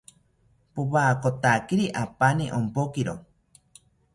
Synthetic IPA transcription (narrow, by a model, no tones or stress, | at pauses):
powaːkot̪akiɾiʔapaniʔompokiɾo